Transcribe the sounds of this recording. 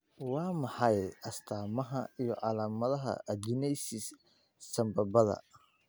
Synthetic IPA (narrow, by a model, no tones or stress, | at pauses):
wɑːmɑħɑjʔɐst̪ʰaːmɐɦɐijɞʕɑlaːmɐðɐɦɐ̰d͡ʒɪnɛjsɪsː | ɐmbɐbɐðɐ̰